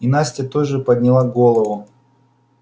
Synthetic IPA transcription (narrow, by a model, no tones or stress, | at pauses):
ɪnasʲtʲət̪oʐɨpəd̪ʲnʲɪlˠaɡolˠəvʊ